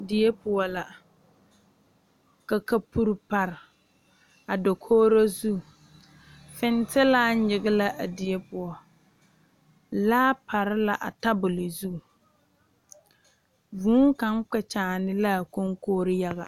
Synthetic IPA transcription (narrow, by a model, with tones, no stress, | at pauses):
dɪ˨e˦pʊ˨ɔ˦la˨ | ka˨ka˦pu˦ɾpa˨ɾɪ˨ | a˨do˨kʰoː˦ɾa˦zu˦˨ | fɪ˦n˦tɪ˦laː˦ɲɪ˨ɣɪ˦la˦ʔa˨dɪ˨e˦pʊ˨ɔ˨ | laː˦pʰa˨ɾɪ˦la˨ʔa̰˨ta˦bʊ˨lɪ˨zu˦˨ | vuː˦ŋka˨˦ŋ˦k͡pɛ˨t͡ʃaː˨nɪ˦la˦˨ko˦ŋkoː˦ɾɪ˦ja˦ɣa̰˨